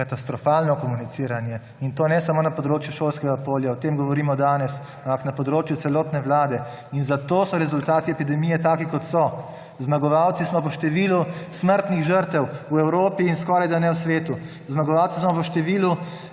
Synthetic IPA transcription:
kat̪ast̪ɾɔfaːlnɔkɔmunit̪siːɾanjɛ | int̪oːnɛsamoːnapɔd̪ɾoːt͡ʃjuʃoːlskɛɡapoːljaɔt̪eːmɡɔʋɔɾiːmɔd̪aːnɛs | ampaknapɔd̪ɾoːt͡ʃjut̪sɛlɔːt̪nɛʋlaːd̪ɛ | inzat̪oːsɔɾɛzult̪aːt̪iɛpid̪ɛmiːjɛt̪aːkikɔt̪sɔ | zmaɡɔʋawt̪sismɔpɔʃt̪ɛʋiːlusməɾt̪niɣʒəɾt̪ɛwuɛwɾoːpiːnskɔːɾajd̪anɛwsʋeːt̪u | zmaɡɔʋawt̪sismɔpəʃt̪ɛʋiːlu

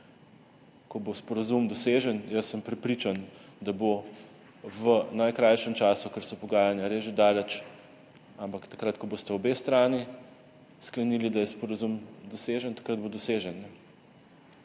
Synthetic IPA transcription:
kɔbospɔɾazumd̪ɔseːʒənjəsːəmpɾɛpɾit͡ʃand̪abo | ʋənajkɾajʃɛmt͡ʃaːsukəɾsɔpɔɡaːjanjaɾeːʒid̪aːlɛt͡ʃ | ampakt̪akɾat̪kɔboːst̪ɛɔbest̪ɾaːni | sklɐnilid̪ajɛspɔɾazumd̪ɔseːʒənt̪ḁkɾad̪̚bod̪ɔseʒənːɛ

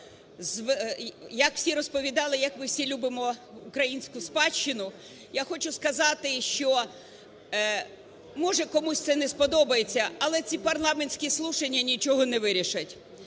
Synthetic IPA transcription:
zʋjɐkw̥sʲiɾɔspɔʋʲid̪ɑlˠɪjɐkmɪwsʲilʲubɪmɔʊkɾɐjinʲsʲkʊspɑt͡ʃt͡ʃːɪnʊ | jaxɔt͡ʃʊskɐzɑt̪ɪʃt͡ʃɔ | mɔʒɛkɔmusʲt̪sɛnɛspɔd̪ɔbɐjet͡sʲːɐɐlˠɛt͡sʲipɐrlˠɑmenʲsʲkʲislˠuʃenʲːɐnʲit͡ʃɔɦɔnɛʋɪɾʲiʃɐtʲ

